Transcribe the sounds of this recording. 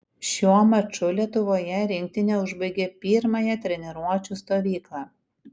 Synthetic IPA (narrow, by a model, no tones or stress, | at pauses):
ʃʲuɔmɐt͡ʃʊlʲiɛt̪ʊʋoːjɛɾʲɪŋʲk̚t̪ʲɪnʲeʊʒbɐɪɡʲeːpʲiːɾmɐjɛt̪ʲɾʲɛnʲɛɾuɔt͡ʃʲust̪oːʋʲiːklˠɑː